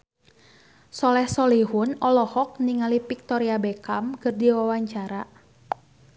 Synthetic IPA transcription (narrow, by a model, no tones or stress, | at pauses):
sɔlɛhsɔliɦʊnɔlɔhɔk̚niŋalipik̚t̪ɔɾiabɛkamkɨrdiwawaɲt͡ʃaɾa